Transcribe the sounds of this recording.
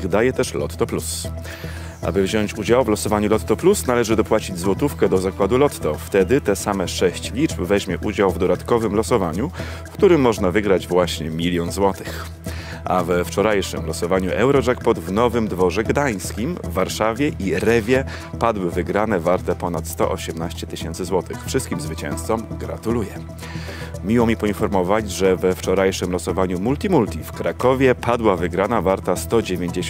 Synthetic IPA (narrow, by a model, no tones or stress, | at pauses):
ɣd̪ajɛt̪ɛʂlɔ̰t̪ːɔplus | ʔa̰bɘvʑɔɲt͡ɕud͡ʑawvlɔsɔvaɲulɔt̪t̪ɔplusnalɛʐɘd̪ɔpwat͡ɕid͡ʑʲzwɔt̪ufkɛd̪ɔzakwad̪ulɔt̪ːɔft̪ɛd̪ɘt̪ɛsamɛʂɛɕt͡ɕlʲid͡ʐbvɛʑmʲjɛʔud͡ʑawvd̪ɔd̪at̪kɔvɘmlɔsɔvaɲu | fkt̪uɾɘmːɔʐnavɘɡɾad͡ʑvwaɕɲɛmʲilʲjɔnzwɔt̪ɘ̥x | ʔa̰vɛft͡ʂɔɾajʂɘmlɔsɔvaɲuʔɛwɾɔd͡ʐakpɔd̪vnɔvɘmd̪vɔʐɛɡd̪aj̃skʲimvːaɾʂavʲjɛʔiɾɛvʲjɛ | pad̪wɘvɘɡɾanɛvaɾt̪ɛpɔnat̪st̪ɔ̰ʔɔɕɛmnaɕt͡ɕɛt̪ɘɕɛnt̪sɘzwɔt̪ɘxfʂɨst̪̚kʲimzvɘt͡ɕɛ̰̃ñst̪sɔmɡɾa̰t̪ulujɛ | mʲiwɔmʲipɔinfɔɾmɔvad͡ʑʐɛvɛft͡ʂɔɾajʂɘmlɔsɔvaɲumult̪ʲimult̪ʲifkɾakɔvʲjɛpʰad̪wavɘɡɾanavaɾt̪ast̪ɔd͡ʑevʲjeɲd͡ʑe